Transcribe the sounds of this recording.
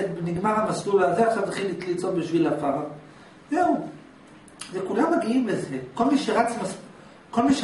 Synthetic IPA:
beniɡmaʁamaslulazeaχʃavnaχilit̪lit͡sotbiʃvilafaʁa | zeu | zekulamːaɡiimlezeko̞lmiʃeʁat͡smas | ko̞lmiʃ

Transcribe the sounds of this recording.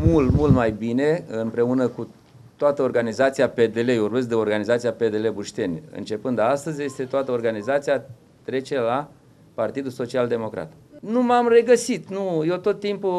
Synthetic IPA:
mult̪mult̪majbine̞ɨmpɾe̞unəku | t̪oat̪əo̞rɡanizat̪siape̞d̪e̞le̞urbe̞s̬d̪eo̞rɡanizat̪siape̞d̪e̞le̞buʃt̪e̞nʲɨ̰nt͡ʃe̞pɨnd̪ast̪əzʲje̞st̪e̞t̪oat̪əo̞rɡanizat̪sija | t̪ɾe̞t͡ʃe̞la | part̪id̪uso̞t͡ʃiald̪e̞mo̞kɾa̰t̪ | numamre̞ɡəsit̪nujet̪o̞t̪ːimpu

